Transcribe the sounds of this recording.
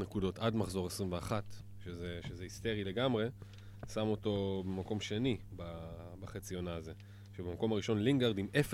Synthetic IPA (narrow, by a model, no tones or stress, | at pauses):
nekudo̞t̪admaχzo̞ʁesʁimveaχat̪ | ʃezeʃezehist̪e̞ʁile̞ɡamʁe̞ | samo̞to̞be̞mako̞mʃe̞nibabaχet͡sio̞naːze̞ | ʃebemako̞maʁiʃo̞nliŋɡaʁd̪imefe